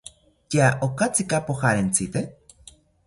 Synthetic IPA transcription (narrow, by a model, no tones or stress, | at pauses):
keaʔokat͡sikapoxaɾent͡sit̪e